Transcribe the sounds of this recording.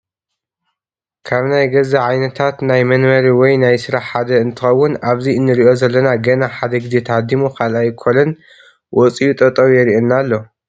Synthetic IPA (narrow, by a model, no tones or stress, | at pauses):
kʰaβnajɡɐzɐʕajnɐt̪ʰat̪najmɐnmɐɾiwɔjnajsɨɾaħħad̪ɐɨnt̪ʰɨxɐwːʊnaβziɨnːɨɾiʔo̞zɐlːɐnaɡɐnaħad̪ɐɡɨd̪et̪ʰad̪imukʰalajkʰolɐn | wʔɔt͡sʼijut̪ʼɐt̪ʼɐwjɛɾiʔenːalːo̞